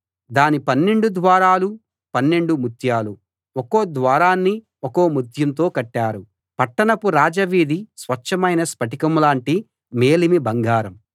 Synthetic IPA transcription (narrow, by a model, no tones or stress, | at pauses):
d̪aːnipɐnːe̞ɳɖud̪ʋaːɾaːlu | pɐnːeɳɖumut̪ʰjaːlu | okoːd̪ʋaːɾaːnːi | ɔko̞ːmut̪ʰjɐnt̪o̞ːkɐʈːaːɾu | pɐʈːɐɳɐpuɾaːd͡ʒɐʋiːd̪isʋɐt͡ʃːɐmɐjnɐspɐʈikɐmlaːɳʈi | me̞ːlimibɐŋɡaːɾɐm